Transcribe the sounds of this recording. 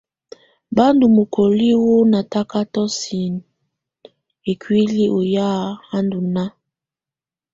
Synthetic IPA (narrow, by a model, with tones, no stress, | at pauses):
ba˦ndu˨mo˨kʰo˨li˦wo˦na˨ta˦ka˦tɔ˦si˨n | e˨kwi˦li˦ʔo˨ja˦˨ha˦ndu˨na˦